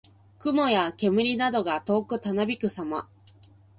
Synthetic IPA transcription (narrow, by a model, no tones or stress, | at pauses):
kɯ̟mo̞jake̞mɯ̟ɾʲinad̪o̞ɡat̪o̞ːkɯ̟t̪anabʲikɯ̟sama